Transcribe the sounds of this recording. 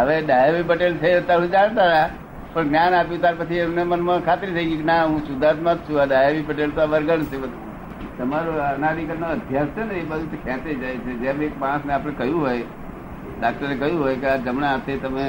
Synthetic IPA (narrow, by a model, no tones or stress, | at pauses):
ɦəʋeɗaːjaʋibəʈelt͡ʃʰet̪aɾud͡ʒaɽ̃t̪aʋeɦa | pəɳɡnʲjaːnaːpjũt̪aːɾpət͡ʃʰiemnemənmãkʰaːt̪ɾit̪ʰəiɡĩknaɦũsʊd̪ʱaːt̪mat̪̚t͡ʃʰũaɖaːjaʋibəʈelt̪oaʋəɾɡənt͡ʃʰebəd̪ | t̪əmaɾoanaɾikənoəd̪ʱjasəneibad͡ʒut̪ekʰɛ̃ːt̪ed͡ʒajet͡ʃʰed͡ʒẽmeːkmaɽ̃sneaːpɽ̃ẽkəjũɦoj | ɖak̚ʈəɾekəjũɦoːjkead͡ʒəmnaət̪ʰet̪əmẽ